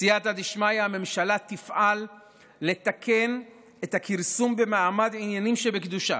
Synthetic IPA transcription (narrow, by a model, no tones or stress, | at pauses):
sijat̪ad̪iʃmajame̞mʃalat̪ifʔalː | e̞t̪akʰe̞n | et̪hakiʁsumbe̞maamad̪ʕinjanimʃebekd̪uʃa̰